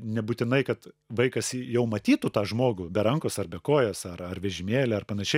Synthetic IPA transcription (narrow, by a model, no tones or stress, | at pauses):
nʲɛbuːt̪ʲɪnɐɪkɐt̪ | ʋɐɪkɐsjɛʊmɐt̪ʲiːt̪ut̪ɑːʒmoːɡʊbʲɛɾɐŋkoːsɐrbʲɛkoːjoːsɐrɐrʋʲɛʒʲɪmʲeːlʲɛɐrpɐnɐʃʲɛɪ